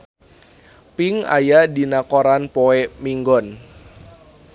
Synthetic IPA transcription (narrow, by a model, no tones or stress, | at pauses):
piŋa̰jadinakoɾanpoemiŋɡɔn